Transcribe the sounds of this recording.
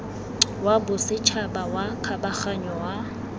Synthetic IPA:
wabʊsɪt͡ʃʰabawakʰabaχaɲɔwa

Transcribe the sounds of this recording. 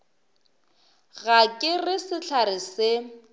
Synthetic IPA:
ɣakʼɪrɪsɪɬʰaɾɪsɪ

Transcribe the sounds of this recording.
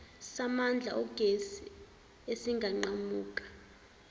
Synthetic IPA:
samand͡ɮʱa̰ʔɔɡ̥ʱesi | esiŋɡʱaŋ͡ǃamuːk̬ʼḁ

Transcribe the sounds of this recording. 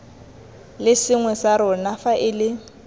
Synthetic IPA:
lɪsɪŋwɛsaɾʊnafaʔɪlɪ

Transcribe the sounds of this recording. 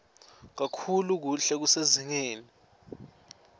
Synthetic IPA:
k̬akʰuluk̬uɬɛk̬useziŋeːni

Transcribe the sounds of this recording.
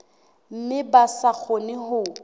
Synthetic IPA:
m̩mɪbasak͡xʰonɪhʊ

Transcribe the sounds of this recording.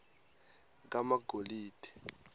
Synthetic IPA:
k̬amaɡʱoliːd̥ʰʱʼɛ̥

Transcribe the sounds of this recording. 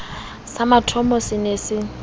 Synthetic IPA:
samatʰɔmɔsɪnesɪ

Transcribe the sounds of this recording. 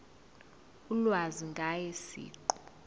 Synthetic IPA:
ulwaziŋɡʱajesḭːǃu̥

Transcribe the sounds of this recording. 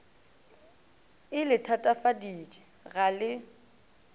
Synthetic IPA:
ɪlɪtʰatʼafadiːt͡ʃʼɪ̥ | ɣalɪ

